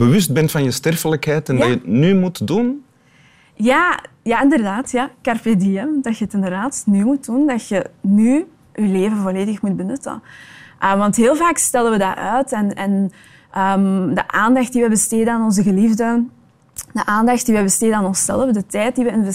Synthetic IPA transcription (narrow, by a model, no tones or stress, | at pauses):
bəʋʏst̚bɛntfɑnjəstɛrfələkɦɛːtɛndɑjətnymutdun | jaː | jaɪndərdaːtjakarpedeɛmdɑtjəətɪndərdaːtnyːmut̚d̥undɑtjəny | ʔyleːvənvoleːdəxmut̚bənʏtə̰nʔəʋɑntɦeːlˠvaːkstɛləʋəda̰ʔœːtɛnɛn | ʔəːmdəʔaːndɑxt̚diʋɛbəsteːdənaːnɔnzəɣəlivdə | d̥əʔaːndɑxt̚d̥iʋɛbəsteːdənaːnɔnsɛ̰ləfdətɛːt̚diʋəɪnv